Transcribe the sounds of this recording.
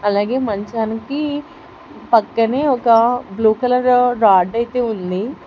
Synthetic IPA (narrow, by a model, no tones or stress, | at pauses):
ɐlaːɡe̞ːmɐɲt͡ʃaːniki | pɐkːɐne̞ːɔkɐbluːkɐlɐɾːaːɖɐjt̪e̞ːund̪i